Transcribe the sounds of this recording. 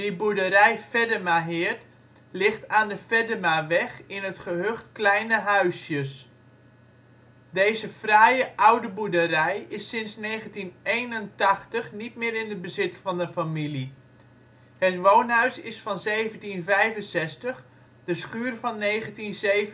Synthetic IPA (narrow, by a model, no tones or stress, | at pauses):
dəbudəɾɛjfɛdəmaɦɪːɹt | lɪχtaːndəfɛdəmaʋɛχɪnɦətχəɦøχtklɛjnəɦœɥsjəs | dejzəfrajəʔʌwdəbudəɾɛjɪsɪnsnejχəntinejnəntɑχtəχnit̚mɪːɾɪnəd̚bəzɪtfɑndəfamili | hətʋownɦœɥsɪsfɑnzeːjvəntinvɛjvənsɛstəχ | d̥əsχyːrvɑnːejχəntinzejv